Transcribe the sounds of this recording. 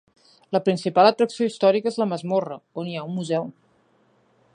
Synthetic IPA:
ləpɾinsipalˠət̪ɾəksioist̪ɔɾikəezləməzmorəoniaummuzɛw

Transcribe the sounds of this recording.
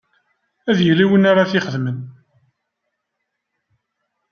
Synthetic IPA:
æðjəlːiwənaɾaθɪχəðmən

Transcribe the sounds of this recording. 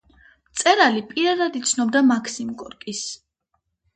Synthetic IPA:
t̪sʼɛɾalipʼiɾad̪ad̪it̪sʰnɔbd̪amakʰsimkʼɔɾkʼis

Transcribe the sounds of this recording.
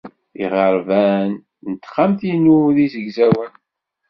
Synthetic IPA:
iʁəɾˤvæn | nət̪ːχamθinuðizəɡzæwən

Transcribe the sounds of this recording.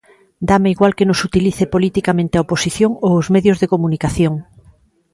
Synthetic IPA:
d̪ameiɣwalkenosut̪iliθepolit̪ikamẽnt̪eaoposiθjoŋoozmeðjozðekomunikaθjoŋ

